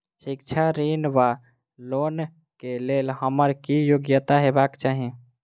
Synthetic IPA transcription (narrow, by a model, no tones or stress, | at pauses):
ʃikt͡ʃʰaɾinʋa | lon | kelelhəməɾkijoɡjət̪aɦebakt͡ʃaɦi